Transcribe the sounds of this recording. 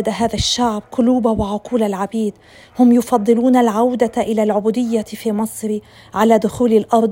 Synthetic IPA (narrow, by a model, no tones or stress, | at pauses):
d̪aɦaːðaʃːaʕb̚qʊluːbawɪʕʊquːlalʕabiːd̪ | hʊmjʊfɑd̪ˤːɨluːnalʕawd̪aʔɪlalʕʊbuːd̪ɪjːafimɨsˤɾi | ʕalad̪ʊxuːlɪlʔɑɾˤd̪